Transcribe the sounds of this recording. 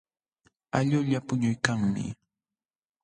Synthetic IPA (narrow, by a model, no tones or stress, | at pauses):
aʎʊʎapʊɲʊjkaŋmɪ̰